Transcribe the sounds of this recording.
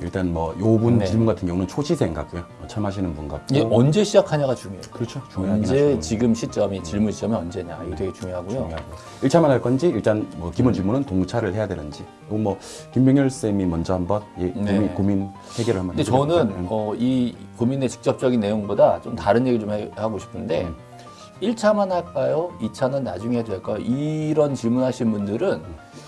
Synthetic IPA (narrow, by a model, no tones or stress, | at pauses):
ḭɭt͈anmwʌjobunt͡ɕiɭmunɡatʰɯnɡjʌŋunɯnt͡ɕʰoɕʰisʰeŋɡa̰k͈̚ojo | ʌt͡ɕʰamɦaɕ̬ʰinɯnbunɡak̚ɡeʌnd͡ʑe̞ɕʰid͡ʑakʰaɲaɡat͡ɕuŋjoeokɯɾʌt͡ɕʰot͡ɕujoand͡ʑet͡ɕiɡɯmɕʰit͡ɕ͈ʌmit͡ɕiɭmui̥t͡ɕ͈ʌmiʌnd͡ʑe̞ɲajikʰeɡet͡ɕuŋjoɦaɡojouoŋjɦaɡojo | iɭt͡ɕʰamanɦaɭk͈ʌnd͡ʑiiɭt͈anmʌkimund͡ʑiɭmunɯntoŋt͡ɕʰaɾɯɭhe̞jadwe̞nɯnd͡ʑi | joɡnmwʌ | kimbjoŋjʌɭs͈emimʌnd͡ʑʌhambʌnjenikomin | heɡjʌɾɯɭhamndet͡ɕʌnɯnʌi | komine̞t͡ɕi̥k̚t͡ɕ͈ʌp̚t͡ɕ͈ʌɡinːe̞joŋbodat͡ɕomtaɾɯnje̞ɡiɭt͡ɕomhaɡoɕʰi̥pʰɯnde̞ | iɭt͡ɕʰamanɦaɭk͈ajoit͡ɕʰanɯnːad͡ʑuŋeɦedek͈ajo̰ʔiɾʌnt͡ɕiɭmunɦaɕʰinbundɯɾɯn